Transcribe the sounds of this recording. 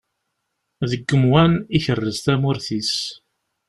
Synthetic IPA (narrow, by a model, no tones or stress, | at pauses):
ðəɡːəmwæniçərːəzt̪æmʊɾθis